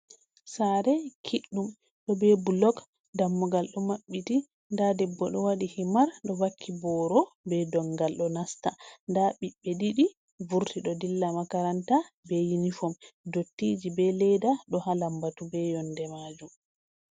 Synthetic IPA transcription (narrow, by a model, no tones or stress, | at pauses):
saɾɛkʰiɗːum | ɗɔbɛbulɔk | damːuɡalɗɔmaɓːiti | ndadɛbːɔɗɔwaɗihimaɾɗɔwakʰːibɔːɾɔbɛdɔŋɡalɗɔnastandaɓiɓːɛɗiɗi | vuɾtiɗɔdilːamakaɾantabɛjinifɔmdotːid͡ʒibɛlɛdaɗɔhalambatubɛjɔndɛmad͡ʒum